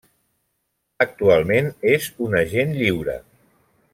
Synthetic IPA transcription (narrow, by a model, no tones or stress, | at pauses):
ək̚t̪ualˠmenezunəʒenʎiwɾə̰